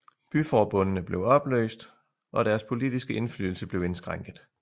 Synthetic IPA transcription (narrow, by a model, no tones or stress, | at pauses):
b̥yfɒːb̥ɔ̽nənəb̥le̝ʊɒ̽b̥lø̰ːsd̥ | ʔɒ̽ɾæɐspʰo̝lid̥isɡ̥əʔe̝nfly̰ːl̩səb̥le̝ʊe̝nsɡ̥ʁaŋ̰ɡ̥ð̩ˠ